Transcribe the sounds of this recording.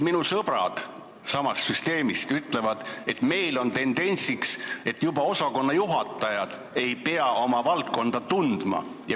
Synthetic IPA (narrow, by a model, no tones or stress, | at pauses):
minusɤb̥ɾɑ̰d̪̥ | sɑmɑst̪syst̪e̞ːmist̪yt̪ˑle̞vɑd̪̥e̞t̪me̞jlo̞nt̪e̞nd̪̥e̞nʲsikse̞t̪ːjubɑo̞sɑko̞nːɑjuɦɑt̪ːˑɑjɑd̪̥ | e̞jpeɑʔo̞mɑvɑlt̪̚ko̞nd̪̥ɑt̪und̪̥mɑ̰jɑ